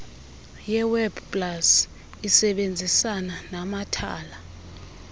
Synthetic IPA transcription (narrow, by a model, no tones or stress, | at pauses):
jɛwɛbpʼlas | isɛɓend͡zʱisananamatʰa̰ːla